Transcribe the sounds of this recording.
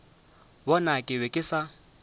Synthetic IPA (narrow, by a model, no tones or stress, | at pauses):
bɔnakʼɪβɛkʼɪsa